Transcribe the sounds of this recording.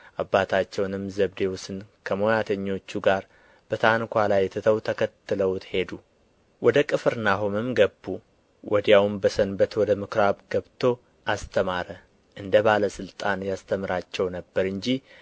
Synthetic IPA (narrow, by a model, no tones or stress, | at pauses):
ʔabːat̪ʰat͡ʃːɛwnɨmzəβd̪e̞wusɨnkʰəmojat̪ʰəɲːo̞t͡ʃːuɡaɾ | b̥ət̪ʰankʷalajːɛt̪ʰɨt̪ʰəwt̪ʰəkʰət̪ːɨləwt̪ʰhe̞d̪u | wɔd̪əkʼɨfɨɾnaɦumɨmɡəbːu | wʔɔd̪jawmbəsənbət̪wɔd̪əmɨkɾaβɡəβt̪ʰo̞ | ʔast̪ʰəmaɾə | ʔɨnd̪əbaləsɨlt̪ʼanjast̪ʰəmɨɾat͡ʃːɛwnəbːəɾɨɲd͡ʒi